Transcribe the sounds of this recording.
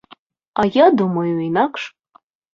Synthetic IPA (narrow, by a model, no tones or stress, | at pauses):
ajadumajwinakʰʼʂ